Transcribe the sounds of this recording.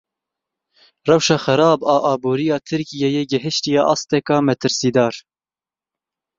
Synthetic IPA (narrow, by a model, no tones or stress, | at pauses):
rɛwʃɑːxæɾɑːbɑːʔɑːbuːɾijɑːt̪ʰɨɾkijejeːɡɪɦɨʃt̪ijɑːʔɑːst̪ɛkɑːmɛt̪ʰɨɾsiːd̪ɑːɾ